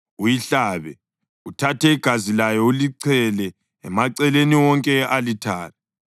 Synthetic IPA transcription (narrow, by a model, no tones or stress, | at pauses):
ujiɬaːβɛ | utʰatɛiɡ̥ʱazilajɔuliǀʰɛlɛː | maǀɛleniwɔŋkʼɛalitʰaːla